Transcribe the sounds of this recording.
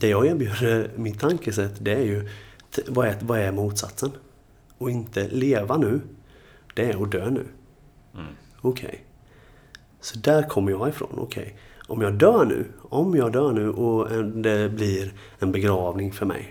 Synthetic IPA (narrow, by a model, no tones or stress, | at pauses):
d̪̥ɛjɑːɡeːɾbjʉːd̪əɾmɪt̪ʰːaŋkəsɛt̪ːd̪ɛæɾjɵ | vɑɛvaæɾmuːt̪sa̰t̪sən | ɔɪnt̪əleːvanʉ̟ː | d̪̥ɛæɾɔd̪øːnʉ̟̰ː | ɔkʰɛ̰j | sɔ̥d̪æːɾkʰɔmːəɾjɑːɡɪfɾo̰ːnʔɔ̰kʰɛ̰jʔɔmjɑːɡd̪œːɳʉ̟̰ːɔmjɑːɡd̪œːɳʉ̟ːʔɔɛd̪ɛblɪɾ | ɛnbɛɡɾɑːvnɪŋfœɾmɛ̰j